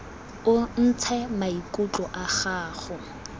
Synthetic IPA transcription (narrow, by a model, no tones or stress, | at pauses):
ʊn̩t͡sʰɛmaikʼut͡ɬɔʔaχaːχʊ